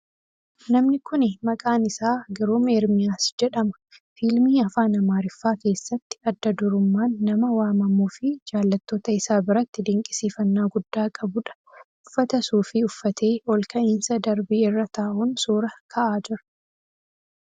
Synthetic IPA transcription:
nɐmnɪkʊnɪmɐkʼaːnɪsaːɡɐɾoːmeːɾmɪjaːsd͡ʒɛᶑɐmɐ̥ | fiːlmiːɐfaːnɐmaːɾɪfːaːke̞ːsːɐt̪ːɪ̥ɐd̪ːɐd̪ʊɾʊmːaːnːɐmɐwaːmɐmuːfɪd͡ʒaːlːɐt̪ːo̞ːt̪ɐɪsaːbɪɾɐt̪ːɪd̪ɪŋkʼɪ̥siːfɐnːaːɡʊd̪ːaːkʼɐbʊᶑɐ̥ | ʊfːɐt̪ɐsuːfɪʊfːɐt̪ʰe̞ːɔlkɐʔɪnsɐd̪ɐɾbiːɪrːɐt̪aːʔʊnsuːɾɐkʰɐʔaːd͡ʒɪɾɐ̥

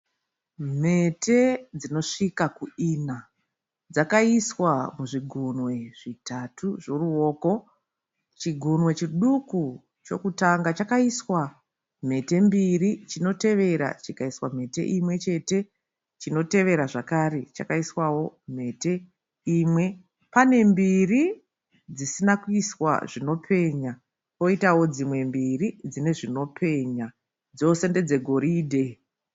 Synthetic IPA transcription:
m̤e̞tʰe̞d͡zino̞ʂikakuina | d͡zakaiswamuʐiɡʱunwe̞ʐitatʰuʐo̞ruo̞ːko̞ | t͡ʃiɡʱunwe̞t͡ʃiɗuku | t͡ʃo̞̰kutaŋɡat͡ʃakaiswa | m̤e̞te̞mbirit͡ʃino̞te̞ʋe̞ɾa̰t͡ʃikaiswam̤e̞te̞̰ʔimwe̞t͡ʃe̞te̞ | t͡ʃino̞te̞ʋe̞ɾaʐakaɾet͡ʃa̰kaiswawo̞m̤e̞te̞ | iːmwe̞ | pane̞mbiri | d͡zisinakuiswa̰ʐino̞pʰe̞ɲa | o̞itawo̞d͡zimwe̞mbirid͡zine̞ʐino̞pʰe̞ɲa | d͡zo̞se̞nde̞d͡ze̞ɡʱo̞ɾiːdʱe̞

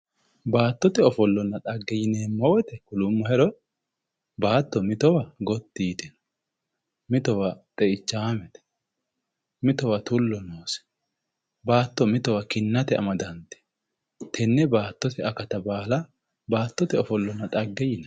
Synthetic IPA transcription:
baːt̪ːɔt̪ɛɔfɔlːɔnːɐt̪ʼɐɡːɛjɪneːmːɔwɛt̪ɛkʊlʊmːɔhɛɾɔ | baːt̪ːɔmɪt̪ɔwɐɡɔt̪ːiːt̪ɪn | mɪt̪ɔwɐt̪ʼɛʔɪt͡ʃːaːmɛt̪ɛ̥ | mɪt̪ɔwɐt̪ʊlːɔnoːsɛ̥ | baːt̪ːɔmɪt̪ɔwɐkɪnːɐt̪ɛɐ̰mɐd̪ɐnt̪ɛ̥ | t̪ʰɛnːɛbaːt̪ːɔt̪ɛɐkɐt̪ɐbaːlɐ | baːt̪ːɔt̪ɛɔfɔlːɔnːɐt̪ʼɐɡːɛjɪnɛ

